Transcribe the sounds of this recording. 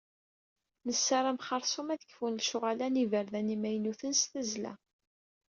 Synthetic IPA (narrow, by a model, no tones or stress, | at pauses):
nəsːaɾˤæmχɑɾˤsˤumæðə̥kːfunlʃʊʁælænivəɾðænimæjnuθənsθæzlæ̰